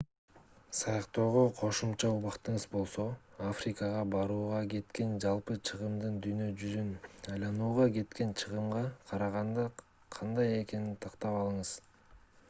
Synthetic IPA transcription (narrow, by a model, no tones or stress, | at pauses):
sɑjɑqt̪o̞ːʁoqʰo̞ʃumt͡ʃɑuβɑqt̪ɯɴɯzbo̞lˠso̞afrʲikəʁɑbɑɾuːʁɑɡe̞t̪ke̞nd͡ʒɑlˠpɯt͡ʃʰɯʁɯmd̪ɯnd̪yjnø̞d͡ʒyzynɑjlˠɑnuːʁɑɡe̞t̪ke̞nt͡ʃʰɯʁɯmʁɑqʰɑɾɑʁɑnd̪ɑ | qʰɑnd̪ɑje̞ke̞nit̪ʰɑqt̪ɑpɑlˠɯɴɯz̥